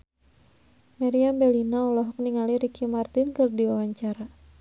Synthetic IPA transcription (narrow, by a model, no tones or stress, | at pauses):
maɾiambɛlinaulɔɦɔk̚niŋaliɾikʰimart̪ɪnkɨrdiwawaɲt͡ʃaɾa